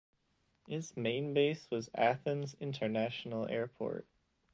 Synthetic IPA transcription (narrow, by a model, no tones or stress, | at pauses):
ɪtzmẽɪ̃nbeɪswʌzæθə̃nzɪ̃ntʰə˞næʃn̩l̩ˠɛ̰ɹpʰɔ̰ɹt̚